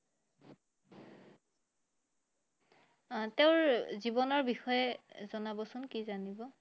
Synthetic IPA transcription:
teʊɹzibɔnɔɹbixɔjɛzɔnabɔsʊnkizanibɔ

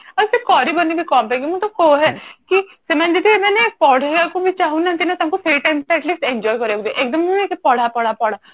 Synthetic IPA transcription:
ɐɾpɪɾkɔːɾibɐnːibʱikɔːmpɛ̃ɡimũt̪okoːɦɛːkisemɛ̃ːd͡ʒɐd̪imɛ̃ːnek̚pɔːɽ̤eɡakobʱit͡ʃaːɦũnãt̪inat̪ɐmkopʰeɾiʈaːɪmʈɛʈliːsʈɛ̃nd͡ʒɔːjkɐɾekd̪eʔeːk̚d̪əmũnẽkepɐɽ̤apɐɽapɐɽ̤a

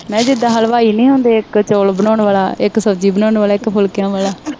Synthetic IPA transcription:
mɛ̃ːd͡ʒɪd̪aːɦalʋaːiːnĩːɦõːnd̪eːɪkt͡ʃoːlbənaːɳʋaːlaːɪksəbd͡ʒiːbənaːɳʋaːlaːɪkpʰʊlkjãːʋaːlaː

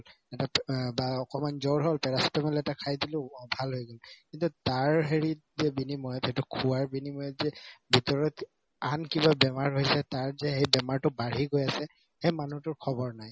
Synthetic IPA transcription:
l | ɛtabaɔkɔmanzɔɹɦolpɛɹasɔ̥tɛmɔlɛtakʰajdilʊ̃bʱalɦojɡɔlkintutaɹɦeɹitzɛbinimɔjɔtʰetʊkʰuwaɹbinimɔjɔtzɛbʱitɔɹɔt | ankibabɛmaɹɦojsɛtaɹzɛhejbɛmaɹtʊbaɹiɡojasɛ | hemanutʊɹkʰɔbɔɹnaj

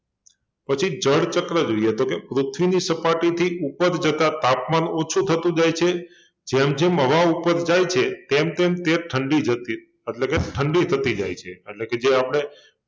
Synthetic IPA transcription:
pət͡ʃʰid͡ʒəɽt͡ʃəkɾəd͡ʒoiet̪okepɾut̪ʰʋinisəpaʈit̪ʰiʔupəɾd͡ʒət̪at̪apmanot͡ʃʰut̪ʰət̪ũd͡ʒajt͡ʃʰe | d͡ʒemd͡ʒeməʋaupəɾd͡ʒajt͡ʃʰet̪emt̪emt̪eʈʰəɳɖid͡ʒət̪i | eʈlekeʈʰəɳɖit̪ʰət̪id͡ʒa̰jt͡ʃʰeːʈleked͡ʒeapəɽ̃e

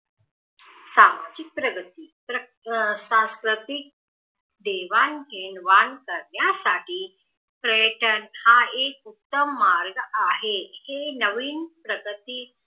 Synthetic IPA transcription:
sama̰d͡ʑik̚pɾəɡət̪iːpɾə | sãskɾət̪ik̚ | d̪eʋanɦenʋankəɾɳjasaʈʰiː | pɾəjəʈənhãekut̪ːəmːaɾɡaɦehenəʋiːnpɾəɡət̪iː

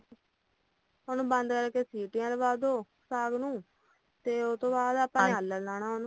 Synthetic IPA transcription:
ɦoːnũːbə̃nd̪kəɾkeːsiːʈijãːd̪eːbaːd̪oː | saːɡnũː | t̪eːot̪õːbaːd̪apːãːɦəlːəlaːnaːɦonũː

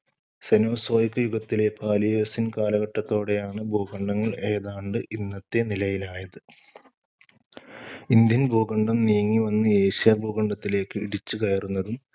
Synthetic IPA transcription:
seno̞ːso̞ːjikːɨjuɡɐt̪ːile̞pʰaːlijoːsinkaːlɐɣɐʈːɐt̪ːo̞ːɽe̞jaːɳɨbʱoːɡɐɳɖɐŋːɐɭe̞ːðaːɳɖɨʔinːɐt̪ːe̞nilɐjilaːjɐðɨ | ind̪jɐnbʱoːɡɐɳɖɐmnijɐŋːiʋɐnːɨe̞ːɕijabʱoːɡɐɳɖɐt̪ːile̞ːkːɨḭɽit͡ɕːɨkɐjɐrunːɐðum

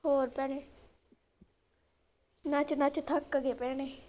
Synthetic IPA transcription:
ɦoːɾpɛːɽeː | naːt͡ʃnat͡ʃt̪ʰəkːəɡeːpɛːɽ̃eː

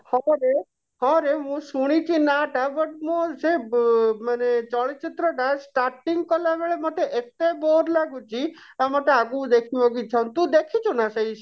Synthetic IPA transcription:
hɔɾe | ɦɔ̃ɾeɦũsuɽ̃it͡ʃʰinaʈaʋəʈ̚mõd͡ʒemanet͡ʃɔɭit͡ʃɪt̪ɾəɖasʈaɾʈiŋɡkɔlaʋeɭemaʈeʔet̪eboɾlaɡũt͡ʃʰi | amaʈeaɡũd̪ekʰiʋɔ̃ɡit͡ʃʰɔnt̪ũd̪ekʰit͡ʃʰunasəiʃ

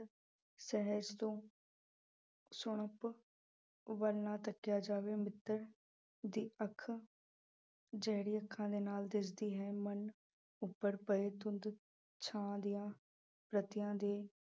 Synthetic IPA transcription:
sɛɦəd͡ʒt̪õː | sʊɳ̃əp | ʋəlnaːt̪əkːɪjaːd͡ʒaːʋeːmɪt̪ːəɾ | d̪iːəkʰ | d͡ʒɛːɽiːəkʰːãːd̪eːnaːld̪ɪsd̪iːɦɛːmən | ʊpːəɾpəeːt̪ʊ̃nd̪ | t͡ʃʰãːd̪ɪjãː | pɾət̪ɪjãːd̪eː

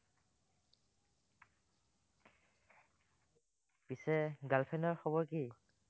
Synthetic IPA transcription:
pisɛɡalpʰɛnɔɹxɔbɔɹki

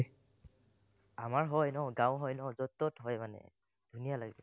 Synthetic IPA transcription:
amaɹɦɔjnɔwɡãwɦɔjnɔzɔtːɔtɦɔjmanɛ̰ | d̥ʱunijalaɡɛ

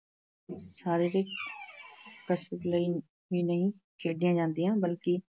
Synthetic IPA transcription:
saːɾeːɾeːk | kəsɾət̪ləiː | ʋiːnəɦĩːkʰeːɖɪjãːd͡ʒãːnd̪ɪjãːbəlkɪː

